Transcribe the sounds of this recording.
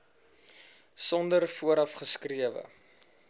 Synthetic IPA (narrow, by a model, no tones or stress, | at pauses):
sɔndərfuəɾɐfχəskriəvə̰